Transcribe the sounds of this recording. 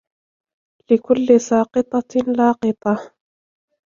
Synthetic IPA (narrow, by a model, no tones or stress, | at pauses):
lɪkʊlːɪsɑːqɨt̪ˤɑlɑːqɨt̪ˤɑ